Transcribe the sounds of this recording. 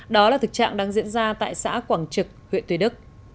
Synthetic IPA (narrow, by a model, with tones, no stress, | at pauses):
ɗɔ˨˦laː˨˩t̪ɨ˨˩k̚t͡ɕa̰ː˧˨ŋɗaː˧ŋzḭ˧˥ənzaː˧t̪a̰ː˧˨jsa̰ː˧˥kwaː˧˩ŋt͡ɕɨ˨˩k̚hwḭ˧˨nt̪wɗɨ˦˥k̚